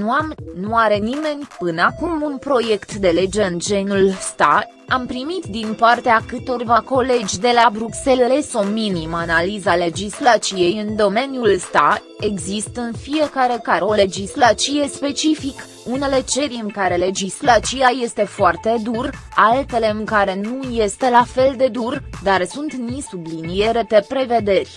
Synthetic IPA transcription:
nuamnuaɾe̞nime̞nʲpɨnakumunpɾo̞je̞kt̪d̪e̞le̞d͡ʒe̞ɨnd͡ʒe̞nulst̪a | ampɾimit̪d̪inpart̪eakɨt̪o̞rvako̞le̞d͡ʒʲd̪e̞labɾukse̞lle̞so̞minimanalizale̞d͡ʒislat͡ʃije̞jɨnd̪o̞me̞njulst̪a | e̞ɡzist̪əɨnfije̞kaɾe̞kaeo̞le̞d͡ʒislat͡ʃije̞spe̞t͡ʃifik | une̞le̞t͡ʃe̞ɾʲɨŋkaɾe̞le̞d͡ʒislat͡ʃijaje̞st̪e̞foart̪e̞d̪uralt̪e̞le̞ɨŋkaɾe̞nuje̞st̪e̞lafe̞ld̪e̞d̪urd̪arsunt̪nisublinije̞ɾe̞pe̞pɾe̞ve̞d̪e̞rʲ

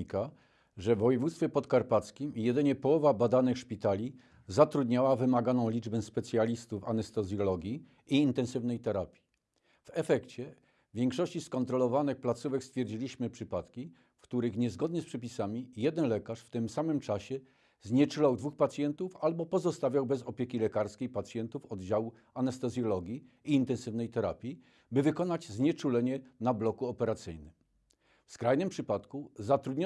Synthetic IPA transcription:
ika | ʐɛvɔjɛvut̪st̪fʲjɛpɔt̪kaɾpat̪skʲimijɛd̪ɘɲɛpɔwɔvabad̪anɘxʂpʲit̪alʲi | zat̪ɾud̪ɲawavɘmaɡanɔ̃w̃lʲid͡ʐbɛspɛt̪sʲjalʲist̪ufa̰nɛst̪ɔzjɔlɔɡʲiː | nt̪ɛ̃nsɘvnɛjt̪ɛɾapʲji̥ | v̥ɛfɛkt͡ɕɛ | vʲjɛŋkʂɔɕt͡ɕiskɔnt̪ɾɔlɔvanɘxplat̪suvɛkst̪fʲjɛɾd͡ʑilʲiɕmɘpʂɘpat̪kʲi | fkt̪uɾɘxɲɛzɡɔd̪ɲɛspʂɛpʲisamʲijɛd̪ɛnlɛkaʂft̪ɘmsamɘmt͡ʂaɕɛ | zɲɛt͡ʂulawd̪vuxpat̪sʲjɛnt̪ufalbɔpɔzɔst̪avʲjawbɛzɔpʲjekʲilɛkaɾskʲejpat̪sjɛnt̪ufɔd̪d͡ʑawu | anɛst̪ɛzʲjɔlɔɡʲi | iːnt̪ɛnsɘvnɛjt̪ɛɾa̰pʲi | bɘvɘkɔnad͡ʑzɲɛt͡ʂulɛɲɛnablɔkuɔpɛɾat̪sɘ̰jnɘm | fskɾajnɘmpʂɘpat̪kuzat̪ɾud̪ɲɔ

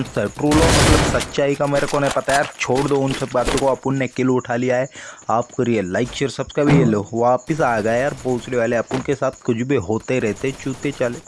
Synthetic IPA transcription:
nsɐʈɾuːlomɐt̪lɐbsɐtːt͡ʃaːikameɾekonepɐt̪ajaɾt͡ʃʰoːɽd̪oʊnsɐb̚kaːt̪ukoɐpʊnːekɪlʊʈʰalijaeaːp̚kɐɾielaɪkʃeɾsɐbskabʱieloʋaːpɪs̬aːɡəeaːɾpoɦʊt͡ʃleʋaːleɐpʊnkesaːt̪ʰkʊd͡ʒʰbʱiɦoːt̪eɾɛɦt̪eɛ̃t͡ʃuːt̪et͡ʃaːle

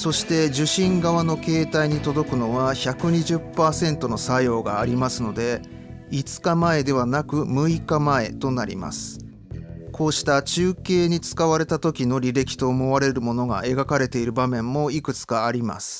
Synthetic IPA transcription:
so̞ɕi̥t̪e̞ʑɨɕĩŋɡaβano̞ke̞ːt̪aiɲ̟it̪o̞d̪o̞kɯ̟no̞βaçakɯ̟ɲ̟iʑɨpːaːsẽ̞nt̪o̞no̞sajo̞ːɡaːɾʲimasɨno̞d̪e̞ | it͡sɨ̥kamae̞d̪e̞β̞anakɯ̟mɯ̟ikamae̞t̪o̞naɾʲḭma̰sɨ̥ | kʰo̞ːɕi̥t̪at͡ɕɨːke̞ːɲ̟it͡sɨ̥kaβaɾe̞t̪at̪o̞kʲino̞ɾʲiɾe̞kʲi̥t̪o̞ːmo̞βaɾe̞ɾɯ̟mo̞no̞ɡa̰ʔe̞ɡakaɾe̞t̪e̞iɾɯ̟bamẽ̞mːo̞ikɯ̟t͡sɨ̥kaːɾʲima̰sɨ̥

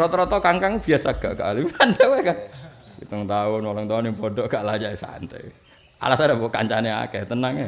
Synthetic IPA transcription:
ɔt̪ɾɔt̪ɔkaŋkaŋb̥iasaɡ̥aʔka̰ʔlimant̪ɛwekakḭt̪ɔŋt̪aʊnwɔlɔŋt̪aʊniŋpodɔʔkaʔlad͡ʒaisa̰nt̪ɛ̰ | a̰lasadabɔka̰ɲt͡ʃanea̰kɛht̪ənaŋe

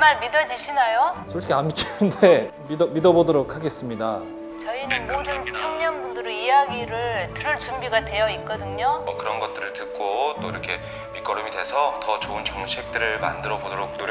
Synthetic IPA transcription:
maɾmidʌd͡ʑiɕʰinajosʰoɭʰkʰeamikʰinɯnde̞ | midʌmidʌbodoɾokʰaɡe̞s͈ɯmɲida | t͡ɕʌinɯnmodɯnt͡ɕʰʌŋɲʌnbundɯɾoijaɡiɾɯɭtɯɾɯɭt͡ɕumbiɡadwe̞jʌik͈ʌdɯŋɲokɯɾʌnɡʌt̚t͈ɯɾɯɭtɯk̚k͈ot͈oiɾʌkʰe̞ | mik͈ʌɾɯmidwesʰʌtʌt͡ɕoɯnt͡ɕoŋɕʰiek̚t͈ɯɾɯɭma̰ndɯɾʌbodoɾok̚noɾ

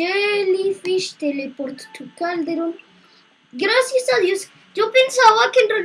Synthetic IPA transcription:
elifiʃt̪elepoɾt̪t̪ʰukald̪eɾon | ɡɾasjasad̪jos | d͡ʒopensawakenre

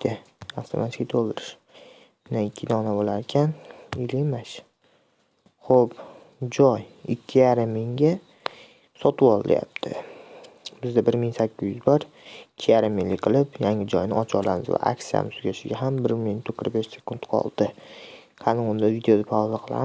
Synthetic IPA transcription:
t̪ʰɪaft̪ʰomʔat̪ʰkʲit̪ʰolˠd̪ɪɾɪʃ | mɪnanɪkʲʰːɪd̪ɒnabolaɾɪkʲʰanɪlimaʃ | χop | d͡ʒɒjɪkʲʰːɪjaɾɪmːɪŋɡʲa | sɒt̪ʰɨwɒlˠɪl̰ja̰p̚t̪ʰɪ | bɪzd̪abɪɾmɪŋsakʲʰːɪzjyzbɒɾ | ɪkʲʰːɪjaɾɪmːɪŋlɪqʰɨlˠɪpjaŋɪd͡ʒɒjnɪɒt͡ʃʰɒlˠamɪzva̰ʔa̰ksija̰mɪsʊɡʲaʃɪɡʲaɦambɪɾmɪŋt̪ʰoqːɨɾzbeʃse̞̥kʊnt̪qʰɒ̰lˠd̪ɪ | hʰɑnɪʊnd̪avid̪eod̪apʰawzaqʰɨlˠa̰

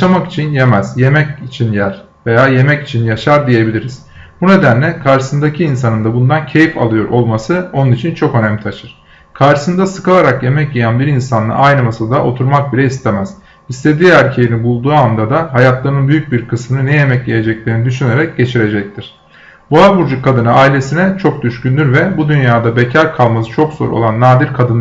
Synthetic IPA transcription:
ʃamaki̥t͡ʃʰinje̞mɛzje̞mɛcit͡ʃʰinjæɾ | ve̞jaːje̞mɛci̥t͡ʃʰinjaʃaɾd̪ije̞bilʲiɾiz̥ | bune̞d̪ænlʲɛkʰaɾʃɯ̥sɯnd̪acʰiːns̬anɯnd̪abund̪ancʰejifa̰lˠɯjo̞ɾo̞lˠmasɯo̞nunit͡ʃʰint͡ʃʰo̞kø̞næmt̪ʰaʃɯɾ̥ | kʰaɾʃɯ̥sɯnd̪asɯ̥kalˠaɾakje̞mɛcjejænbiɾinsanlˠa̰ʔajnɯmasalˠd̪aʔo̞t̪ʰuɾmak̚bilʲɛist̪ʰe̞mɛz̥ | ist̪ʰe̞d̪iːæɾcʰejinibulˠd̪uːamd̪ad̪aɦajat̪lˠaɾnɯnbyjyc̚biɾkʰɯsmɯnɯnɛje̞mɛcjeje̞d͡ʒɛclʲeɾinid̪yʃyne̞ɾɛc̚ɟe̞t͡ʃʰiɾe̞d͡ʒɛc̚t̪ʰiɾ̥ | buabuɾd͡ʒukʰːad̪ɯnɯaːilʲe̞sinɛt͡ʃʰo̞k̚d̪yʃcynd̪ʲyɾvɛbud̪ynjaːd̪abecʰaɾkʰalˠmasɯ̥t͡ʃʰo̞kz̥o̞̰ɾo̰lˠanːaːd̪iɾkʰad̪ɯn

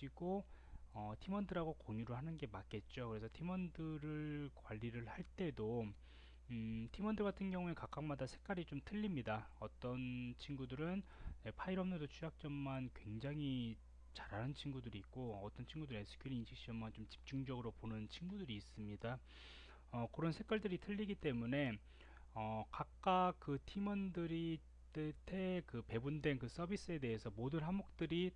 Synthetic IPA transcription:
iɡoʌtʰimʌndɯɾɦaɡokoɲuɾɯɭhanɯnɡe̞mak͈e̞t̚t͡ɕ͈okɯɾe̞sʰʌtʰimʌndɯɾɯɭkwaʎːiɾɯɭhaɭt͈e̞do | tʰimʌndɯɭɡatʰɯnɡjʌŋue̞kak͈ak̚madasʰek͈̚aɾit͡ɕomtʰɯʎːimɲidaʌt͈ʌnt͡ɕʰinɡudɯɾɯnjepʰaiɾʌmnɯdot͡ɕʰujak̚t͡ɕ͈ʌmmankwe̞ŋd͡ʑaŋɦi | t͡ɕaɾanɯnt͡ɕʰinɡudɯɾiːk̚k͈oʌt͈ʌnt͡ɕʰinɡudɯɾe̞sʰɯ̥kʰiɾiinɕʰik̚ɕ͈iʌmant͡ɕomt͡ɕi̥p̚t͡ɕ͈uŋd͡ʑʌɡɯɾoponɯnt͡ɕʰinɡudɯɾiːs͈ɯmɲida | ʌkɯɾʌnsʰe̞k͈waɭdɯɾitʰɯʎːiɡit͈e̞mune̞ | ʌkak̚k͈akk͈ɯtʰimʌndɯɾi | tetʰe̞kɯpe̞bundwe̞nkɯs͈ʰʌbis͈ɯe̞te̞ɦe̞sʰʌmodɯnɦamok̚t͈ɯɾi

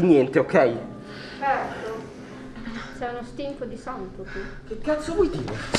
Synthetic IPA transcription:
injɛnt̪eokʰːɛj | t͡ʃɛrt̪o | t͡ʃɛunost̪impod̪isɔmt̪okikekːat̪sovɔjd̪iːɾe

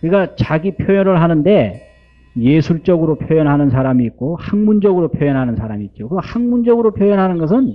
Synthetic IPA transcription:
kɯɾikat͡ɕaɡipʰjojʌnɯɭɦanɯnde̞ | je̞sʰuɭt͡ɕ͈ʌɡɯɾopʰjojʌnɦanɯnsʰaɾamiːt̚k͈ohaŋmund͡ʑʌɡɯɾopʰjojʌnɦanɯnsʰaɾamiːt̚t͡ɕokɯhaŋmund͡ʑʌɡɯɾopʰjojʌnɦanɯnɡʌs̬ʰɯn

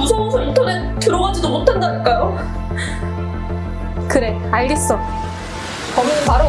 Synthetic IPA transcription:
usʰʌŋsʰomutʰone | tɯɾoad͡ʑidomotʰandank͈ajo | kɯɾe̞ | aɭɡe̞s͈ʌ | kʌmʌnpaɾo

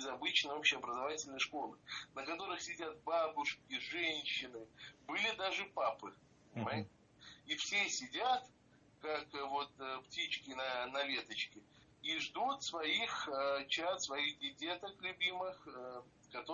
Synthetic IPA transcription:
bʲɪzɐbɨt͡ɕnəjopɕːɪɐbɾəzɐvatʲɪlʲnəjʂko̞lˠɨnəkɐt̪o̞ɾɨxsʲɪdʲat̪̚babʊʂkʲɪʐɛnʲɕːɪnɨbɨlʲɪd̪aʐɨpapɨpənʲɪmajɪt̪ʲɪ | ifsʲesʲɪdʲat̪ | kakvo̞t̪ptʲit͡ɕkʲɪnɐnɐvʲe̞t̪ət͡ɕkʲɪ | iʐd̪ut̪svɐixət͡ɕat̪svɐixɡʲɪdʲe̞t̪əklʲʊbʲimɨxə | kɐt̪o

